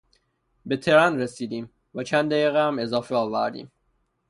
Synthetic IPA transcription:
be̞t̪ʰe̞ɾænɾesiːd̪iːm | væt͡ʃʰænd̪d̪æjiːɣɛæme̞zɒːfeɒːvæɾd̪ḭːm

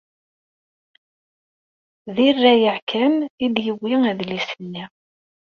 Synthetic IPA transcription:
ðirːæjəʕkʰænid̪jəwːiæðlisənːi

